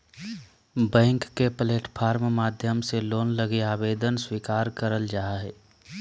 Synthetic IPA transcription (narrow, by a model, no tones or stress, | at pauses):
bɛ̃ːŋkːepəleːʈpʰaːɾmmaːd̪ʱjəmseloːnləɡeaːbeːd̪ənswiːkaːɾkəɾəld͡ʒaːɦɛː